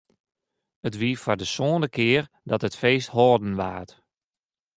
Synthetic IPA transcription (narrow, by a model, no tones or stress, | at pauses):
ətʋiəfɔrdəsoːndəkʰɪər | dɔtətfeːstɦɔːdən̩ʋaːt